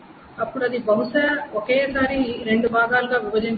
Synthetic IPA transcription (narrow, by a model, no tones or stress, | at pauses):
ɐpːuɽɐd̪ibɐɦuʃɐokeːsaːɾiːɾe̞ɳɖubʱaːɡaːluɡaːʋibɐd͡ʒ̪iɲ